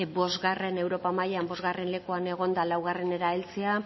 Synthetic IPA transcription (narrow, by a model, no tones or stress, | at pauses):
bo̞zɣare̞ne̞wɾo̞pamajambo̞zɣare̞nle̞kuaneɣ̞o̞nd̪alawɣare̞ne̞ɾaelt͡sea